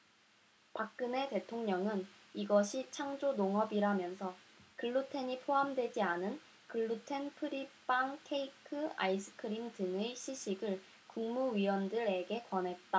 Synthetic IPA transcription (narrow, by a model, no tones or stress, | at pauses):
pak̚k͈ɯne̞te̞tʰoŋɲʌŋɯniɡʌɕʰit͡ɕʰaŋd͡ʑonoŋʌbiɾamjʌnsʰʌkɯɭːutʰe̞ɲipʰoɦamdwe̞d͡ʑianɯn | kɯɭːutʰe̞npʰɯɾip͈aŋkʰeikʰɯa̰isʰɯ̥kʰɯɾimdɯŋeɕʰiɕʰiɡɯɭ | kuŋmuɥiwʌndɯɾe̞ɡe̞kwʌnɦe̞t̚t͈a